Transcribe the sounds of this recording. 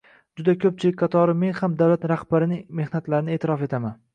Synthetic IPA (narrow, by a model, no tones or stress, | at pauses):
d͡ʒʊd̪akʰɵp̚t͡ʃʰɪlɪk̚ʲqʰɑt̪ʰɒɾɪme̞nhamd̪awlat̪ɾahbaɾɪnɪme̞hnat̪laɾɪnɪe̞ːt̪ʰɪɾɒfe̞t̪ʰaman